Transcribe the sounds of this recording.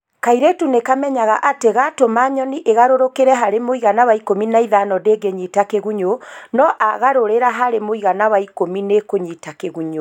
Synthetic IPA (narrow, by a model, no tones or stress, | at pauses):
kaiɾetunekamɛɲaɣaʔateɣatomaɲɔniʔeɣaɾoɾokeɾɛɦaɾemoiɣanawaikominaiðanɔdeɡeɲitakeɣuɲonɔʔaɣaɾoɾeɾaɦaɾemoiɣanawaikominekoɲiːtakeɣuɲo